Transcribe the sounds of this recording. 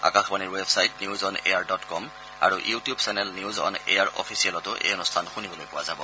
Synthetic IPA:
a̰kãxbaniɹwebsajtniuzɔnḛjaɹdɔtkɔm | a̰ɹuʔjutijubsɛnɛlniuzɔ̰nḛjaɹʔɔ̰pʰisiɛlɔtʊʔḛjɔnustʰanxunibɔlojpʊwazabɔ̰

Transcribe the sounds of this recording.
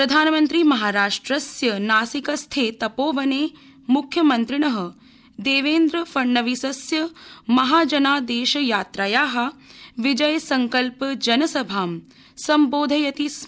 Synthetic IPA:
pɾɐd̪ʱaːnmɐnt̪ɾimɐɦaːɾaːʂʈɾɐsjɐnaːsikɐst̪ʰeːt̪ɐpoːʋɐneː | mukʰjɐmɐnt̪ɾiɳɐɦɐ̆ | d̪eːʋeːnd̪ɾɐfɐɳːɐʋisɐsjɐmɐɦaːd͡ʒɐnaːd̪eːʃɐjaːt̪ɾaːjaːɦɐʋid͡ʒɐjsɐŋkɐlpd͡ʒɐnɐsɐbʱaːm | sɐmboːd̪ʱɐjɐt̪is

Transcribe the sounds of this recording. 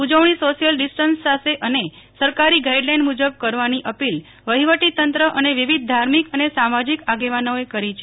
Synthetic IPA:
ud͡ʒəʋɳ̃isoʃijəlɖisʈənsːaseʔəne | səɾkaɾiɡaiɖlajɳɖmud͡ʒəb̚kəɾʋaniʔəpil | ʋəɦiʋəʈit̪ənt̪ɾəʔəneʋiʋid̪̚ʱd̪ʱaɾmikənesamad͡ʒikaɡeʋanoekəɾit͡ʃʰe

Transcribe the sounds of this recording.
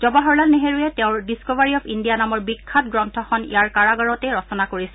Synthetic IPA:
z̥ɔbaɦɔɹlalneɦeɹujɛtɛʊ̃ɹdiskɔvaɹiɔpʰindijanamɔɹbikʰːat̚ɡɹɔntʰɔxɔnḭjaɹkaɹaɡaɹɔtɛɹɔsɔnakoɹisɛ

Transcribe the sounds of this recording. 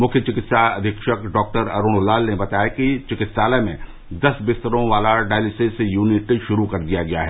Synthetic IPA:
mʊkʰjət͡ʃɪkɪt̪sad̪ʱɪkʃəkɖɔːk̚ʈəɾɐɾuːɽ̃laːlnebɐt̪aːjakit͡ʃɪkɪt̪saːlemẽ | d̪ɐsbɪst̪əɾõʋaːlaɖaːlɪsesejuːnɪʈʃʊɾukɐɾd̪ijaɡɐjaɦɛː

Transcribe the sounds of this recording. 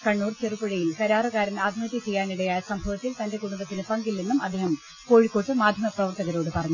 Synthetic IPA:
kɐɳːuːrt͡ɕerupːɐɻɐjilkɐɾaːrɐɣaːɾɐnaːd̪ʱimɐt̪ːit͡ɕejːaːniɽɐjaːjɐsɐmbʱɐʋɐt̪ːilt̪ɐnde̞kuɽud̪ɐt̪ːinɨpɐŋɡilninːumɐd̪ːeɦɐm | ko̞ːɻikːo̞ːʈːɨmaːd̪ʱjɐmɐprɐʋɐrt̪ɐɣɐɾo̞ːɽɨpɐrɐɲːu

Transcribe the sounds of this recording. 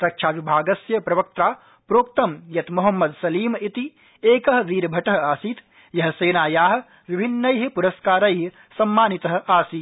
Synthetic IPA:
ɾɐkʂaːʋibʱaːɡɐsjɐpɾɐʋɐk̚t̪ɾaː | pɾoːk̚t̪ɐmjɐt̪muɦɐmːɐd̪sɐliːmit̪i | eːkɐɦʋ̪iːɾbʱɐʈɐɦaːsiːt̪ | jɐɦɐ̆seːnaːjaːɦ | ʋibʱinːɐjɦpuɾɐskaːɾɐjɦ | sɐmːaːnit̪ɐɦ̆aːsiː

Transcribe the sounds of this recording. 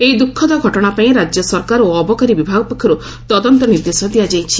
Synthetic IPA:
ejd̪ukʰːɔd̪ɔɡʱɔʈɔɽ̃apaĩɾad͡ʒjɔsɔɾkaɾoɔbɔkaɾibibʱaɡɔpɔkʰːjɔɾu | t̪ɔd̪ɔnt̪ɔniɾd̪esɔd̪iad͡ʒajt͡ʃʰi

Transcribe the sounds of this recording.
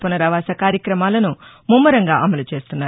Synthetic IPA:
pɐnɐɾɐʋaːsɐkaːɾjɐkɾɐmaːlɐnu | mumːɐɾɐŋɡaːʔɐmɐlut͡ʃe̞ːst̪unːaː

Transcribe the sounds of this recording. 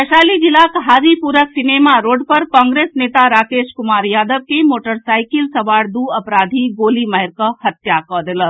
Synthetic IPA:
əʃaːlid͡ʒilakɦaːd͡ʒipuɾəksinemaɾoːɖpəɾkɔ̃ːŋɡɾesnet̪aɾaːkeʃkʊmaːɾjaːd̪əb̚kemoːʈəɾsaːɪkilsɐʋaːɽd̪uəpɾaːd̪ʱiɡoːliməɦɛɾkəhət̪jakɔd̪elə

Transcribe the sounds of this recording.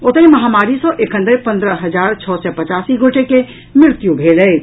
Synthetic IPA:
ot̪əiməɦamaɾisə̃ʔekʰɦənd̪epə̃nd̪ɾəɦəd͡ʒaɾt͡ʃʰɔsɛpət͡ʃasiɡʱoʈeke | mɾɪɾt̪jubʱelə

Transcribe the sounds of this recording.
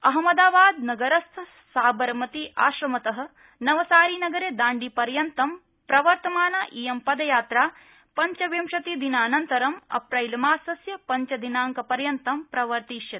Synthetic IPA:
ɐɦɐmɐd̪aːʋaːd̪nɐɡɐɾɐst̪ʰ | saːbɐɾɐmɐt̪iʔaːʃɾɐmɐt̪ɐɦɐ̆ | nɐʋɐsaːɾiːnɐɡɐɾeːd̪aːɳɖipɐɾjɐnt̪ɐm | pɾɐʋɐɾt̪ɐmaːnaʔiːjɐmpɐd̪ɐjaːt̪ɾaː | pɐɲt͡ʃɐʋjɐmʂɐt̪id̪inaːnɐnt̪ɐɾɐmɐ̰pɾɐjlɐmaːsɐsjɐpɐɲt͡ʃɐd̪inaːŋkɐpɐɾjɐnt̪ɐmpɾɐʋɐɾt̪iːʃjɐt̪i̥

